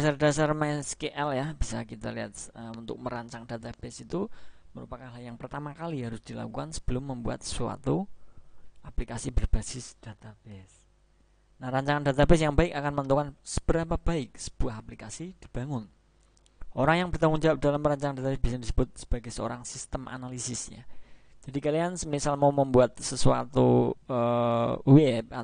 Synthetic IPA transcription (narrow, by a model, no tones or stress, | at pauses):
dasardasarmɛskeʔɛljahb̥isa̰kit̪aliɦa̰t̪̚əunt̪ʊ̰k̚məɾaɲt͡ʃaŋd̥at̪abesit̪uməɾupakanlajaŋpərt̪amakaliɦaɾʊsd̥ila̰kukansə̥b̥əlʊmːəmbua̰t̪̚sua̰t̪u | ʔaplikasibərb̥asɪsd̥at̪abes | nahɾaɲt͡ʃaŋandat̪abes̬jaŋbaɪkakanmənt̪ukansə̥b̥əɾapab̥aɪk̚sə̥b̥uaɦaplikasid̥ib̥a̤ŋʊn | ʔoɾaŋjaŋbərt̪aŋuŋɲd͡ʒaap̚dalamɾaɲt͡ʃaŋandat̪abɛsbisadisəbʊt̪̚sə̥b̥aɡɛsəo̰ɾaŋsist̪əmʔa̰nalisɪsɲa̰ | d͡ʒadikaliansəmisalmauməmbuat̪̚səsua̰t̪uəwɛp̚a